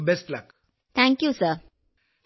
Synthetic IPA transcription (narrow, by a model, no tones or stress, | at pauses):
bɛsʈlak | t̪ʰæ̃ŋkjusəɾ